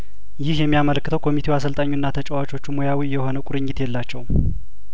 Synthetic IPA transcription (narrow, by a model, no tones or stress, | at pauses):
jɪhjɛmːijamələkːɨt̪ʰəwkʰo̞mit̪ʰewas̬əlt̪ʼaɲːunːat̪ʰət͡ʃʼawat͡ʃʼo̞t͡ʃːumojawijɛho̞nəkʷʼʊɾɨɲːɪt̪jɛlːat͡ʃːɛw